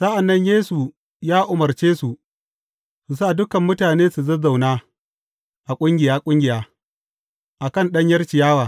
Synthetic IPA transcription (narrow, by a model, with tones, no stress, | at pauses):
sɐ˦ʔa˨nːɐ˦ɲjeː˦su˨ | jaː˦ʔʊ˨mɐ˨rt͡ʃeː˦su˨ | su˨s̬aː˦˨dʊ˦kɐ˨mːʊ˦taː˨neː˦su˨zɐ˦za˨wnaː˦ | ʔa˨kʷʼʊ˦ŋɡʲɪ˨jaː˦kʷʼʊ˦ŋɡʲɪ˨jaː˦ | ʔa˨kɐ˦nɗɐ˦ɲjɐ˦rt͡ʃɪ˨jaː˦waː˨